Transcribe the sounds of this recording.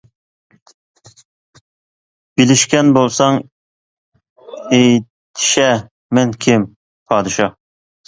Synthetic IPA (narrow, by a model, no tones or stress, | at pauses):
b̥ilɪʃkʲɛnbolˠsɑŋ | ej | t̪ʰi̥ʃɛ | mɛnkʲʰɪm | pʰɑːd̪ɨʃɑ